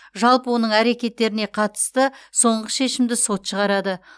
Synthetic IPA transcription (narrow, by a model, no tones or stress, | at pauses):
ʒɑlˠpəwo̞nəɴæɾe̞kʲe̞t̪ːe̞ɾɪne̞qʰɑt̪ə̥st̪əso̞ɴʁəʃe̞ʃɪmd̪ɪso̞t̪ʃəʁɑɾɑd̪ə